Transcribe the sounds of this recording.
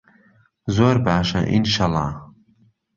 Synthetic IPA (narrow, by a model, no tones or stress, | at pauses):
zoːɾbaːʃɐ̰ʔḭnʃalɑ̰ː